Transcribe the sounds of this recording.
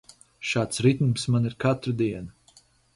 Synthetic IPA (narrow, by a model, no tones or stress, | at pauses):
ʃaːt̪sɾit̪umsmaniɾkat̪ɾud̪iɛna